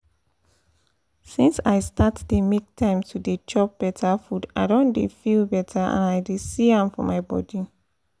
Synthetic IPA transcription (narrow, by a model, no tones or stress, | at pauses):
sĩnsajstatdemek̚tʰãɪ̃mtʰudet͡ʃɔp̚b̥ɛtʰafuda̰ɪdõndefilbɛtʰaã̰naɪdesiãmfɔ̰maɪbɔ̰di